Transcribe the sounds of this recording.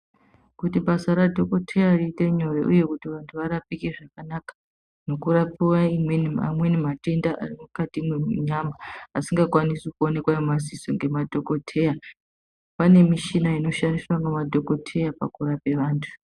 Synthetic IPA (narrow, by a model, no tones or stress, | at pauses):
kutiɓasaɾadʱo̞ko̞tʰe̞jariːte̞ɲo̞rḛʔuje̞kutiʋantʰuʋaɾapikeʐakanakḁ | no̞kurapiwaimwe̞nima̰mwe̞nimate̞ndaʔa̰rimukatimeɲamaasiŋɡakwanisekuone̞kwajomazisoŋɡe̞madʱo̞ko̞tʰe̞ja | pane̞miʃinaino̞ʃandiswanamadʱo̞ko̞tʰe̞japa̰kuɾape̞ʋaːntʰu̥